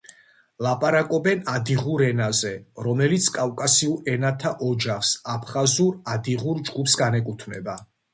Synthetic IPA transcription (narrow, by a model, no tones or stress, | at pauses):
lˠapʼaɾakʼɔbɛnad̪iʁuɾɛnazɛɾɔmɛlit̪sʰkʼavkʼasiuɾɛnat̪ʰaʔɔd͡ʒaχsapʰχazuɾad̪iʁuɾd͡ʒɡupʰsɡanɛkʼut̪ʰmɛ̰ba